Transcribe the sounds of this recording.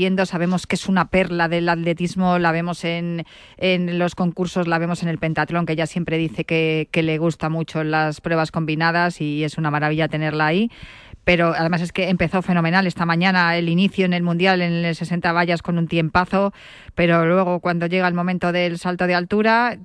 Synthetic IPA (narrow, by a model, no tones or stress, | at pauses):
je̞nd̪o̞saβ̞e̞mo̞ske̞sunape̞ɾlaðe̞lat̪le̞t̪izmo̞laβ̞e̞mo̞se̞n | enlo̞sko̞ŋkuɾso̞zlaβe̞mo̞se̞ne̞lpe̞nt̪at̪ɾo̞ŋke̞ʝasje̞mpɾe̞ðiθe̞keke̞le̞ɣ̞ust̪amut͡ʃo̞laspɾwe̞βasko̞mbinað̞asie̞sunamaɾaβiʎat̪e̞ne̞ɾlaːi | pe̞ɾo̞aðe̞mas̬e̞ske̞ːmpe̞θo̞fe̞no̞mẽ̞nale̞st̪amãɲãnae̞liniθjoene̞lmũnd̪jale̞nese̞se̞nt̪aβ̞aʝasko̞nũnt̪je̞mpaθo̞ | pe̞ɾo̞lwe̞ɣ̞o̞kwand̪o̞ʝe̞ɣ̞aelmo̞mẽnt̪o̞ðe̞lsalt̪o̞ð̞ealt̪uɾa